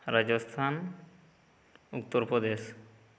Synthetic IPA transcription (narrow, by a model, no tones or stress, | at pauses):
ɾad͡ʑost̪ʰan | uk̚t̪ːoɾpɾod̪eʃ